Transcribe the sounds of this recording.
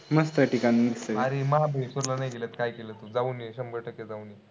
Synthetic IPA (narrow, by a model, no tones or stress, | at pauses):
məst̪əʈikaniisəaɾeməɦabesoɾlanajkelət̪kajkelət̪ud͡zauneɕəmbəʈʰəked͡zaune